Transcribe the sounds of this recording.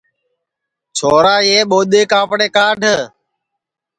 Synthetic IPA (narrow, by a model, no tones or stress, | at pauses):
t͡ʃʰoːɾaːeːɓoːɗ̪eːkãːpɽeːkaːɖʱ